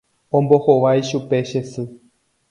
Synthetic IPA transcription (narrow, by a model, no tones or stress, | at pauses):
õmbohoʋajʃupeʃesɨ